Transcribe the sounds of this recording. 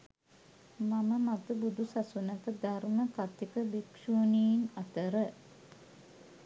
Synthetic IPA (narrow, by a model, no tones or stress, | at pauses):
maməmat̪əbud̪usasunəkəd̪arməkat̪ikəʋikʃuːniːnɐt̪əɾə